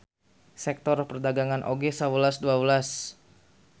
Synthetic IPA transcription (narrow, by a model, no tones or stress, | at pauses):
sɛk̚t̪ɔrpərdaɡaŋanʔo̰ɡesawəlasduabəlas